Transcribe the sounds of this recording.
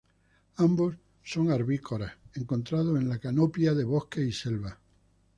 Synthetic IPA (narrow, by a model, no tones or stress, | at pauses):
ambo̞sː | o̞ŋaɾβiko̞ɾae̞ŋko̞nt̪ɾað̞oenlakanopjaðe̞βo̞hke̞ise̞lβa